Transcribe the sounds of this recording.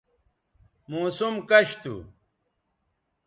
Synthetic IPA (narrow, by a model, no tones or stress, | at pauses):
muːsumkɐɕt̪ṵ